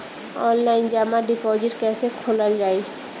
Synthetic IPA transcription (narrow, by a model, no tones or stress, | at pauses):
ɔːnlaːɪnd͡ʒaːmaɖɪpɔːd͡ʒɪʈkɛːsekʰoːləld͡ʒaːiː